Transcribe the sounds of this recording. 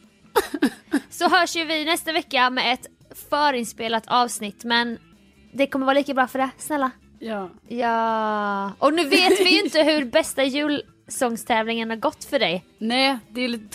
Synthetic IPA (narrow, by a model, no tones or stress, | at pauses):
sɔɦœːʂjɵvɪnɛst̪avɛkːamɛɛt̪ | fœːɾɪnspeːlat̪ʰɑːvsnɪt̪ːmɛn | d̪ɛkʰɔmːəɾvɑːliːkabɾɑːfœɖɛsnɛlːa | jːjɑː | ʔɔnʉ̟ːveːt̪vɪjʏɪnt̪əɦɵɾbɛst̪ajʉ̟ːl | sɔŋst̪ʰɛːvlɪŋənhaɾɡɔt̪ːfœɖɛj | nɛd̪ɛːliːt̪ə